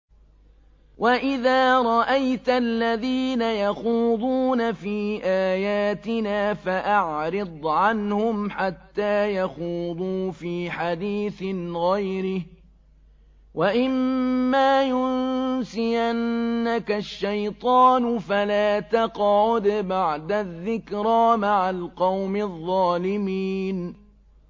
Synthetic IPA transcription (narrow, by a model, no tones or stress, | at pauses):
wʔaʔɪðaːɾˤɑʔajt̪lːaðiːnajaxuːðˤuːnafiːʔaːjaːt̪ɪnaːfaʔaʕɾɪd̪ˤʕanhʊmħat̪ːaːjaxuːðˤuːfiːħad̪iːθɪnɣajɾɪh | wʔaʔɪmːaːjʊnsɪjanːakaʃːajt̪ˤɑːnʊfalaːt̪ɑqʕʊd̪baʕd̪aðːɪkɾaːmaʕalqɑwmɪðˤːɑːlɪmiːn